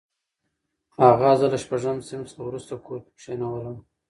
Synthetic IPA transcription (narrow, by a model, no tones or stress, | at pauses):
aɣɑzalaʃpaʐamsɪmsawɾust̪akoɾʃenawəlaw